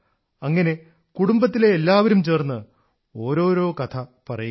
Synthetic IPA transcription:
ɐŋːɐne̞ | kuɽumbɐt̪ːile̞ːlːaːʋɐɾumt͡ɕe̞ːrnːɨ | o̞ːɾo̞ːɾo̞ːkɐt̪ʰɐpɐrɐj

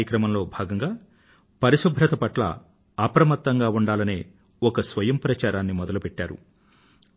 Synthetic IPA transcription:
jɐkɾɐmɐmlo̞ːbʱaːɡɐŋɡaː | pɐɾiʃubʱɾɐt̪ɐpɐʈlɐ̰ | ɐpɾɐmɐt̪ːɐŋɡaːuɳɖaːlɐneː | ɔkɐsʋɐjɐmpɾɐt͡ʃaːɾaːnːimɔd̪ɐlupɛʈːaːɾṵ

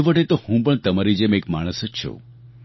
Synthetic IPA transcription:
ʋəʈet̪ohũpəɳt̪əmaɾid͡ʒemekmaɽ̃əsət͡ʃʰṵ

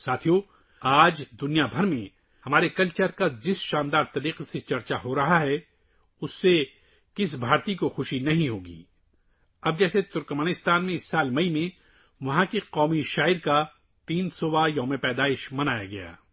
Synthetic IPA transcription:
saːt̪ʰijo | aːd͡ʒd̪ʊnijabʱɐɾmẽ | hɐmaːɾekɐlt͡ʃəɾkad͡ʒɪsʃaːnd̪aːɾt̪ɐɾiːqeset͡ʃɐɾt͡ʃaɦoɾɐɦaɦɛ | ʊsːe | kɪsbʱaːɾt̪ikoxʊʃinɐɦĩɦoːɡḭː | ɐb̚d͡ʒɛːset̪ʊɾkmaːnɪst̪aːnmẽɪsːaːlmɐimẽ | ʋɐɦãkiqɔːmiʃaːɪɾka | t̪iːnsoːbajɐːmẽpɛːd̪aːɪʃmɐnaːjaɡɐja̰ː

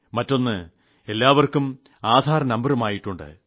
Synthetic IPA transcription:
mɐtːo̞nːɨ | e̞lːaːʋɐrkum | aːd̪ʱaːɾɐnɐmbɐɾumaːjiʈːuɳɖɨ̰

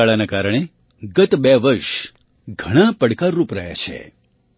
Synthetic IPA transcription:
aɭanakaɾəɽ̃e | ɡət̪bɛʋəɾʃ | ɡʱəɽ̃apəɽkaɾːupɾə̰ja̰t͡ʃʰḛ

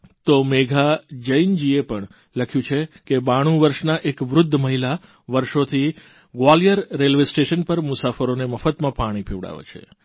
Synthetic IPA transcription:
t̪omeɡʱad͡ʒəind͡ʒiepəɳ | ləkʰjũt͡ʃʰekebaɽ̃ũʋəɾʃnaʔekʋɾʊd̪ʱːməɦila | ʋəɾʃot̪ʰi | ɡʋalijəɾːelʋesʈeʃənpəɾmʊsafəɾoneməfət̪mãpaɽ̃ipʰeʋɽa̰ʋḛt͡ʃʰḛ

